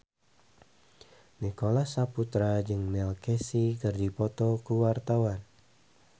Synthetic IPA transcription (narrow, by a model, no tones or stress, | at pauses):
nikolahsaput̪ɾad͡ʒɨŋnɛlkɛsikɨrdipɔt̪ɔkuwart̪awan